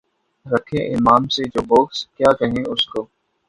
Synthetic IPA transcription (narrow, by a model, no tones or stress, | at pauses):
ɾəkʰẽʔɪ̰maːmsed͡ʒoːboːkskjaːkɐɦẽʊskoː